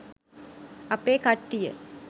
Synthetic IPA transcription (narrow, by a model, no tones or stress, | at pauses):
ɐpːeːkɐʈːɪjɐ̰